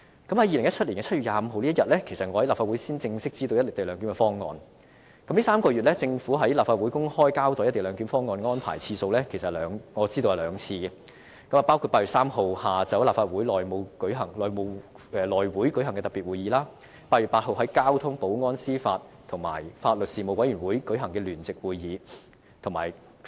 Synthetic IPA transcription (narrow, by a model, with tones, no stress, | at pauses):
kɐ˨˥mhɐ˨˥jiː˨lɪ˨˩ŋjɐ˥t̚ʰɐ˥t̚li˨˩nkɛː˧t͡sʰɐ˥ɥy˨jaː˨˧m̩˨˧ɦo˨˧wliː˥jɐ˨t̚lɛ˥kʰe˨˩sɐ˨t̚ŋɔ˨˧hɐ˨˥la˨pfaː˧wu˨˥jsiː˥nt͡sɪ˧ŋsɪ˥k̚t͡siː˥t̪o˧wjɐ˥tlɪ˨˩te˨jlœː˨˧ŋky˨˥kɛ˧fɔː˥ŋːɔ̰ː˨˧n | kɐ˨˥mliː˥saː˥mkɔː˧ɥy˨t̚lɛ˥t͡sɪ˧ŋfuː˨˥ɦɐ˨˥jlaː˨pfaː˧t̚wu˨˥jkʊ˥ŋhɔː˥jkaː˥wt̪ɔː˨jɐ˥t̪e˨˩lœː˨˧ŋky˨˥nfɔː˥ŋːɔː˧nŋɔː˥npʰa̰ː˨˩jt͡sʰiː˧so˧wlɛ˥kʰe˨˩jsɐ˨lœː˨˧ŋŋɔː˨˧t͡siː˥t̪o˧whɐ˨˩lœː˨˧ŋt͡sʰiː˧ɡɛ˧ | kɐ˨˥maː˨˩paː˥wkʰu˧paː˧˥y˨˩tsaː˥mɦo˨whaː˨t͡sɐ˨˥wlaː˨˩pfaː˧t̚u˨˥jlɔː˨jmo˨˧wkɵ˨˥ɦɐ˨˩ŋlɔː˨˩jmo˨˧w | ʔɛː˨˧lɔː˨˩jwuː˨˥jkɵ˨˥ɦɐ˨˩kɛ˧t̪ɐ˨˩piː˨t̚wuː˨˩jiː˨˧laː˥ | paː˧t̚ɥyː˨t̚paː˧t̚ɦo˨wɦɐ˨˥jkaː˥wt̪ʰʊ˥ŋpo˨˥wŋɔː˥nsiː˥faː˧t̚t̪ʰʊ˨˩ŋma̰ː˨˩jfaː˧t̚lɵ˨t̚siː˨mo˨˧wɐ˨˥jyː˨˩nwuː˨˥jkɵ˨˥ɦɐ˨˩ŋkɛː˧lyː˨˩nt͡sɪ˨k̚wuː˨˧jjiː˨˧ | t̪ʰʊ˨˩ŋma̰ː˨˩j